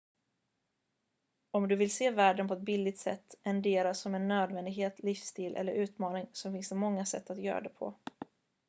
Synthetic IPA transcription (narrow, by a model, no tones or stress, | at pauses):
ɔmd̪ɵvɪlseːvæːɖənpʰɔɛt̪̚bɪld̪ɪɡ̚t̪sɛ̰t̪ːɛnd̪eːɾasɔmɛnːøːd̪vɛnd̪ɪɡɦeːt̪ʰlɪfst̪iːlʔɛ̰lːəɾʔʉ̟ːt̪mɑːnɪŋsɔmfɪnsɛmɔŋːasɛ̰t̪ːat̪jœ̰ːɾa̰d̪ɛpʰɔ̰